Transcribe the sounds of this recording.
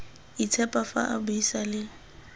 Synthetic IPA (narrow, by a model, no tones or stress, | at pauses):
it͡sʰɛpʼafa̰ʔabʊisalɪ